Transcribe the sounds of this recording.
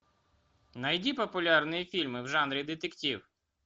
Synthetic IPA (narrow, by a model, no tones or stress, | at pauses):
nɐjdʲipɔpʊlʲɑrnɪjifʲilʲmɪwʒɑnɾʲid̪ɪt̪ektʲiw